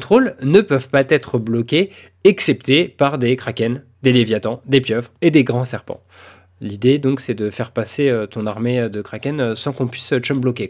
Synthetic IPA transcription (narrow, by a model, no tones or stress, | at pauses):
t̪χolnəpœvpat̪ɛt̪χəblɔkʲe | ɛksɛpt̪epaʁd̪ekχakʲɛn | d̪elevjat̪ɑ̃d̪epjœvʁed̪eɡʁɑ̃sɛʁpɑ̰̃ | lid̪ed̪ɔ̃ksɛd̪əfɛʁpaseøt̪ɔ̃naʁmeød̪əkχakʲɛnsɑ̃kɔ̃pɥisøt̪ɛmblɔkʲe